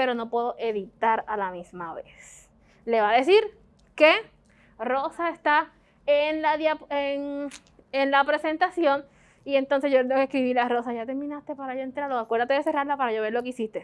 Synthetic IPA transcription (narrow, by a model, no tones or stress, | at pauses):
pe̞ɾo̞no̞pwe̞ðo̞ʔe̞ðit̪aɾalamismaβe̞̰s | le̞βaðe̞siɾ | ke | ro̞saest̪a | enlaðjaeŋ | enlapɾe̞se̞nt̪asjo̞ŋ | ie̞nt̪o̞nse̞hʝoeokehkɾiβilaro̞saʝat̪e̞ɾmĩnast̪e̞paɾajoent̪ɾaɾðoakwe̞ɾðat̪eðese̞raɾlapaɾaʝoβe̞ɾlo̞keisist̪e̞